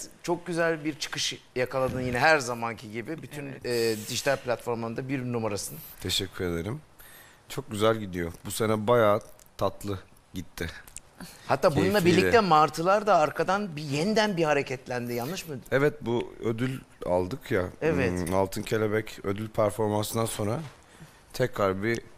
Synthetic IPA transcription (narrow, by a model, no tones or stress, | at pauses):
t͡ʃʰo̞k̚ɟyzælʲbiɾt͡ʃʰɯ̥kɯʃjakʰalˠad̪ɯnjinɛɦæɾzamancʰiɟibibyt̪ʰynɛːd̪iʒit̪ʰalʲplʲat̪fo̞ɾmaɯnd̪abiɾnumaɾasɯnt̪ʰeʃɛcʰʲːyɾe̞d̪eɾim | t͡ʃʰo̞k̚ɟyzælʲɟid̪ijobusenɛbajaːt̪ʰat̪lˠɯ | ɟit̪ʰːɪ | hat̪ʰːaːbununˠaabiɾlːʲiɛmaɾt̪ʰɯlˠaɾd̪aːɾkʰad̪anbijɛnd̪ænbihaɾecʰɛt̪lʲænd̪ijanˠɯʃmad̪uɛvɛt̪̚buød̪ylʲa̰lˠd̪ɯkjaɛvɛt̪alˠt̪ʰɯncʰe̞lʲebɛcød̪ylʲpʰæɾfo̞ɾmansɯnanso̞nɾa | t̪ʰɛcɾaɾbi